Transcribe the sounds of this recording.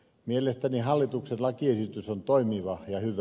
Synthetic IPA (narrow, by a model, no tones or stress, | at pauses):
mielest̪ænihɑlːit̪uksenlɑkiesit̪ysont̪oimiʋɑjɑhyʋ